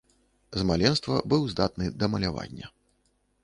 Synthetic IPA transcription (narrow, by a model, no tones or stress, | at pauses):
zmalʲɛnst̪vɐbɨwzd̪at̪nɨd̪ɐmɐlʲava̰nʲːɐ